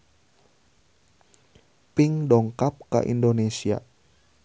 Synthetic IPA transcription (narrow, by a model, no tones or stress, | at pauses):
pɪŋdɔŋkap̚ka̰ʔḭndonesia̰